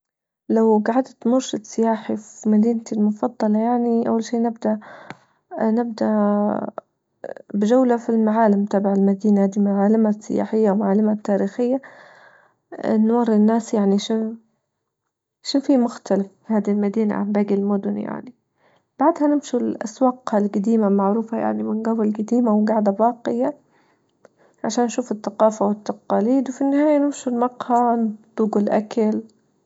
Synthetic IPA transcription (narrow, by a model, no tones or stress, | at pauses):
lawɡaʕad̪t̪mʊɾʃad̪sɪjaːħifimad̪iːnt̪ilmʊfɑd̪ˤːɑlɑjaʕniʔa̰wːalʃiːnɪbd̪aʔ | nɪb̚d̪aʔ | bɪd͡ʒawlafilmaʕaːlɪmt̪aːbɪʕalmad̪iːnahaːd̪imaʕaːlɪmasːɪja̰ːħɪjːaʔwmaʕaːlːɪmat̪ːaːɾiːxɪjːa | nːuːɾˤɪnːaːsjaʕniʃɪn | ʃɪnfiːmʊxt̪alafihaːd̪ilmad̪iːna̰ʕa̰mbaːɡɪlmʊd̪ʊnja̰ʕni | b̥aʕd̪hanɪmʃulʔa̰swɑːqhalɡad̪iːmamaʕɾuːfaja̰ʕnimɪnɡawɪlɡad̪iːmawɡaʕd̪abɑːqɪja | ʕaʃaːnːʃuːfɪt̪ːaqɑːfawɪt̪ːɑqɑːliːd̪wfinːɪhaːjanɪmʃulmɑqhɑnd̪ˤuːɡɪlʔa̰kal